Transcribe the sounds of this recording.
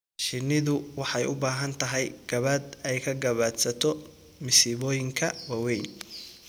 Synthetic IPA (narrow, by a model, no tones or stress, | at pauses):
ʃɪnːɪðʊwɑħɑjʊbaːɦɐnt̪ʰɐɦɛjɡ̥ɐβɐd̪ɛjkʰɐɡɐβaːd̪sɐt̪ʰɔ | mɪsiβɔːjɪŋkʰɐwɐwɛjn